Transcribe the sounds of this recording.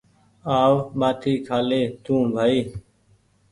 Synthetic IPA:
aːʋɓaːʈʰiːkʰaːleːt̪ũːbʱaːiː

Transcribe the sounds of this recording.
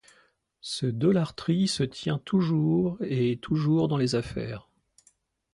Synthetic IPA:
səd̪ɔlaʁt̪χisət̪jɛ̃t̪ʰuʒuʁet̪ʰuʒuʁd̪ɑ̃lezafɛ̰ːʁ

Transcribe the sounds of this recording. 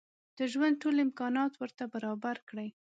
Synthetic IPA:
d̪̥əʒwand̪̚ʈolɪmkɑnɑt̪wəɾt̪abaɾɑbaɾkɽəj

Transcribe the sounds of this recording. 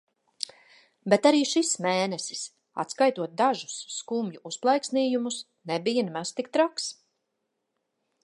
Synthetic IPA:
bɛt̪aɾiːʃismeːnɛsi̥s | a̰t̪skajt̪uɔt̪̚d̪aʒu̥sːkumjuʔusplˠajksniːjumus | nɛbijanmast̪ik̚t̪ɾaks

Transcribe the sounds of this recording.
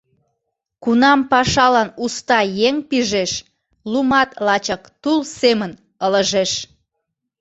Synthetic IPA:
kunɑmpɑʃɑlɑnust̪ɑjeŋpiʒeʃ | lumɑt̪lɑt͡ɕəkt̪ulsemən | ələʒeʃ

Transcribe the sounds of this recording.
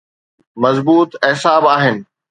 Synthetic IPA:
mɐzbuːt̪eɦsaːbaːɦɪnɪ̆

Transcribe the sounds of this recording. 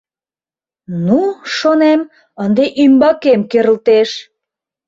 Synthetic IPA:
nuʃonem | ənd̪eʔymbɑkemkøɾə̆lt̪eʃ

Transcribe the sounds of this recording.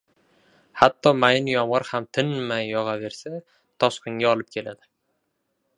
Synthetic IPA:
hat̪ʰːɒmajɪnjɒmʁɑɾhamt̪ʰɪnmajːɒʁɑve̞ɾsa | t̪ʰɒʃqʰɨŋɡʲaɒlˠɪp̚kʲʰe̞lad̪ɪ

